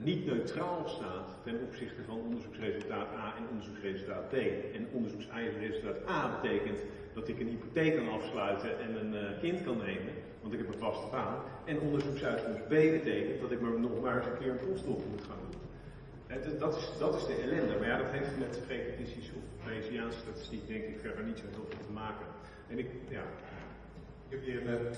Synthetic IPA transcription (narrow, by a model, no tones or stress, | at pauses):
nitnøɥtraːlˠstaːn | tɛnɔpsɪχtəvɑnənɔndəɹzuksrejzɵlˠtaːtaːɛnɔndəɹzuksrejzəlˠtaːd̚bejɛnɔndəɹzuksɛjχərezlˠtaːtaːbətejkənt | d̥ɑtɪkənɦipotejkkɑnɑfslœɥtəʔɛnənkɪntkɑnːejmən | ʋɑntɪkɦɛpə̃nvɑstəbaːn | ɛnondəɹzuksœɥtfɔmsbejbətejkənt̚dɑtɪkməɹnɔχmaːɹtfəkɪːɹmɛtɔstɔpmutχaːndun | ɛddtɪsdɑtɪzdəɛlɛndəmaɹjadɑtɦejftəmɛtsprejkətɪsisofmesiaːnsə̥statɪ̥stik̚dɛŋkɪkfɛɹdəɹnitsoɦɪːlˠvɪlˠtəmaːkən | ɛnɪkja̰ | a | ɪkɛpjɪə